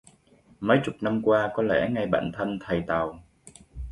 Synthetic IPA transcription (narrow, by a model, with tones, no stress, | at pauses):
mə˨˦jt͡ɕʊ˨˩k͡p̚na˧mkwaː˧kɔ˨˦lɛ̰˧˥ŋa˧˩jɓa̰ː˧˨nt̪ʰə˧nt̪ʰa˨˩jt̪a˨˩w